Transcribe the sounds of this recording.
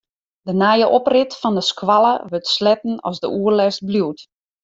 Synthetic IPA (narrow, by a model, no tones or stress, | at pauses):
dənajəʔoprɪtfɔndəskwalˠə̰ʋøtslɛtn̩ɔ̰sdəʔuərlɛst̚bluwt